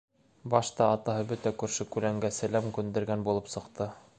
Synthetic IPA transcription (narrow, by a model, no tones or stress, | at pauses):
bɑʃt̪ɑːt̪ɑɦɤbɵt̪ækʉɾʃɘkʉlæŋɡæsælæmkʉnd̪ɘ̆ɾɡænbulˠɤpsɤ̆qt̪ʰɤ